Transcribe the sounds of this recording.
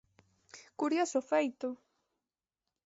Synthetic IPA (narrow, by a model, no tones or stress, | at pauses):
kʊɾjasofajt̪o